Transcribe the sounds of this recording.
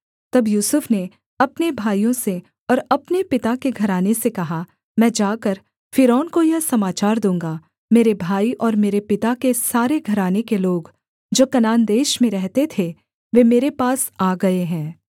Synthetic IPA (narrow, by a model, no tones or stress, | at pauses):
t̪ɐbjuːsʊfne | ɐpnebʱaːijõse | ɔːɾɐpnepɪt̪akeɡʱɐɾaːnesekɐɦa | mɛ̃ːd͡ʒaːkəɾ | fɪɾɔːnkojɐɦsɐmaːt͡ʃaːɾd̪ũːŋɡa | meːɾebʱaːiʔɔːɾmeːɾepɪt̪akesaːɾeɡʱɐɾaːnekeloːɡ | d͡ʒoːkɐnaːnd̪eːʃmẽɾɛɦt̪et̪ʰe | ʋemeːɾepaːsaːɡɐeɦɛ̃ː